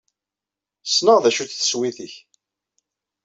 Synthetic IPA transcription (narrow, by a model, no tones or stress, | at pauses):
snəʁðæʃuθθəswiθiç